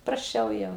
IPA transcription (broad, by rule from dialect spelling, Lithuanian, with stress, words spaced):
prɐsʲˈt͡ʃʲɛʊ ˈjɛʊ